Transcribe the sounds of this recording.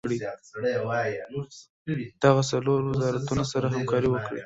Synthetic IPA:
ɽiɽw | d̪̥aɣasaloɾwɪzɑɾat̪unosaɾaɦamkɑɾiwəkɽḭ

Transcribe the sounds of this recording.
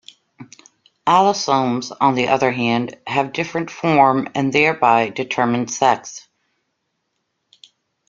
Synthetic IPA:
ælˠəsõʊ̃mz̃n̩ðiʔʌðə˞ɦæ̃nd̥ɨvdɪfɹɨ̃ntfɔɹmɨ̰̃nðɛɹbaɪdɨtʰɜ˞mɨ̃n̥sɛks

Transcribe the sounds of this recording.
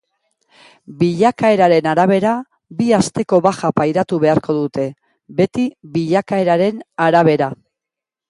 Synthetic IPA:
biʎakae̞ɾaɾe̞naɾaβe̞ɾa | biast̪e̞ko̞βaxapajɾat̪uβe̞aɾko̞ðut̪e̞ | be̞t̪iβiʎakae̞ɾaɾe̞naɾaβ̞e̞ɾa

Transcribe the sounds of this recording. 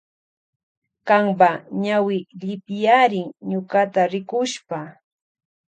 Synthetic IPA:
kaŋpaɲawɪʎɪpjaɾɪŋɲʊkat̪aɾɪkʊʃpa

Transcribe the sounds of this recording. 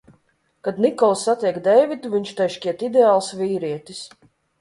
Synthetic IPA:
kad̪nikɔlˠsːat̪ʲiɛkd̪ɛjvʲit̪uviɲʲt͡ʃt̪ɛjʃkʲiɛt̪id̪ʲeaːlˠsvʲiːɾiɛt̪ʲis

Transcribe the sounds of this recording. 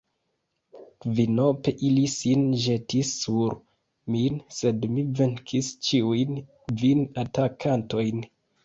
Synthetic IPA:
kvino̞pe̞ʔilisinʒe̞tisːuɾ | minse̞dmive̞ŋkʰist͡ʃiujn | vinatakʰanto̞jn

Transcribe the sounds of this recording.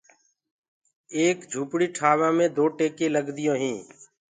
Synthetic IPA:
eːkd͡ʒʱuːpɽiːʈʰaːʋãːmẽːd̪oːʈeːkẽːləɡd̪ɪjõːɦĩː

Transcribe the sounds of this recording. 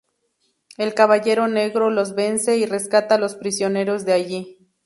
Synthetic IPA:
e̞lkaβaʝe̞ɾo̞ne̞ɣɾo̞lo̞zβe̞nse̞ire̞skat̪alo̞spɾisjo̞ne̞ɾo̞zd̪eaʝi

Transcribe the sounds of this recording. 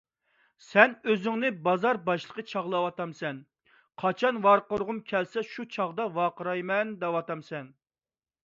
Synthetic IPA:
sɛnøzyŋnɪbɑzɑɾbɑʃlˠə̥qʰət͡ʃʰɑʁlˠɑwɑt̪ɑmsɛn | qʰɑt͡ʃʰɑnwɑɾqʊɾʁʊmkʲʰɛlsɛʃut͡ʃʰɑʁd̪ɑwɑqəɾɑjmɛnd̪ɛwɑt̪ɑmsɛn

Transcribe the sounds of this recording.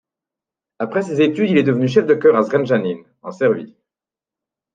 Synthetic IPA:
apχɛs̬ezet̪yd̪ilɛd̪əvənyʃ̬ɛfd̪əkʲœʁazʁɛnʒanin | ɑ̰̃sɛʁvḭ

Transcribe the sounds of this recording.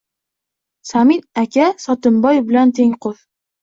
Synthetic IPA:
sɒminækʲasɒt̪ɨmbɒjbɪ̆lant̪ʰeŋqoð

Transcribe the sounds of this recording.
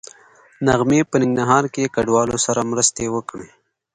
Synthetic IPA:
naɣmepənɪŋɡnaɦɑːɾkekaɖwɑːlosaɾamɾəst̪ewəkɽe

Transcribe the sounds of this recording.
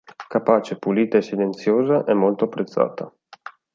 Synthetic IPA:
kapaːt͡ʃepuliːt̪aesːilent̪sjoːzaʔɛmːolt̪oapːɾet̪sːa̰ːt̪ʰa

